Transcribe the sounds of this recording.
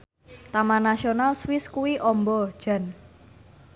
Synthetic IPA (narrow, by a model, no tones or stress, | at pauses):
t̪amanasionalswɪskuwiʔɔmbɔd̥ʒ̥a̤n